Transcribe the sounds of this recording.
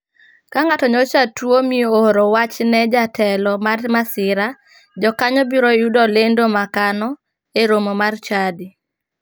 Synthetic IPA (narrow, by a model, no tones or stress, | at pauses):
kaŋatɔɲɔt͡ʃatwomiohɾowat͡ʃnɛd͡ʒatʰɛlɔmarmasɪɾa | d͡ʒɔkaɲɔbiɾɔjudɔlendomakanɔ | eɾomomart͡ʃadɪ